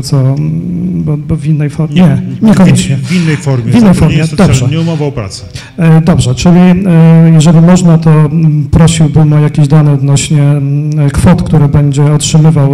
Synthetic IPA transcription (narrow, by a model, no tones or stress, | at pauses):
t̪sɔ | bɔbɔvʲinːɛjfɔɲɛɲɛkɔɲɛɲɛvʲinːɛjfɔɾmʲjɛvinːɛjfɔɾmʲjɛd̪ɔbʐɛɲɛumɔvawpɾa̰t̪sɛ̥ | d̪ɔbʐɛt͡ʂɘlʲijɛʐɛlʲimɔʐnat̪ɔpɾɔɕiwbɘmɔjakʲeʑd̪anɛɔd̪nɔɕɲɛkfɔt̪kt̪uɾɛbɛɲd͡ʑɛɔtʂɘmɘvaw